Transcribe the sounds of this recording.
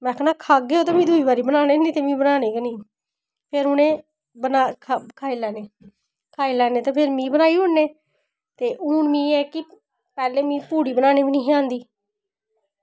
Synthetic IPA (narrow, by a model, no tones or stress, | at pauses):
mɛ̃ːkʰnaːkʰaːɡeːoːt̪aːmĩːd̪uːiːbaːɾiːbənaːneːnĩːt̪eːmĩːbənaːneːkenĩː | pʰeɾʊnẽː | bənaːkʰkʰaːilɛːneː | kʰaːiːlɛːneːt̪eːpʰɪɾmĩːbənaːiːɦʊnːeː | t̪eːʔuːɳmĩːɛːkɪ | pɛːleːmĩːpuːɽiːbənaːneːbiːnĩːɦãːnd̪iː